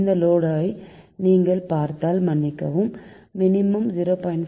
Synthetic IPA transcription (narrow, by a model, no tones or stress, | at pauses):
nd̪ɐloːɽaːjniːŋɡɐɭpaːɾt̪aːlmɐnːɪkːɐʋɯmː | ɪnɪmɯmzɪɾoːpɐːjɪɳ